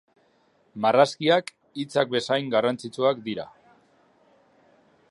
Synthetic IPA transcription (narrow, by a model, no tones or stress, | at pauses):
maraskiak | it͡sak̚be̞sajŋɡarant͡sit͡suakd̪iɾa̰